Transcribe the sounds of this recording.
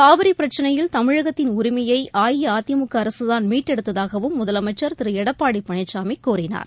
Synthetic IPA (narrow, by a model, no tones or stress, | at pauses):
kaːʋɐɾipɪɾɐt͡ʃːɐnɐjɪlt̪ɐmɪɻɐɣɐt̪ːɪnʊɾɪmɐjɐɪʔaːjɪjɐaːt̪ːɪjɐmʊkːɯɐɾɐsɯðaːnmiːʈːɛɽɯt̪ːɐðaːɣɐʋɯmːʊðɐlɐmɐt͡ʃːɐɾt̪ɪɾɯɛɽɐpːaːɽipːɐɳɐɪt͡ʃːaːmɪkːoːrɪna̰ːɾ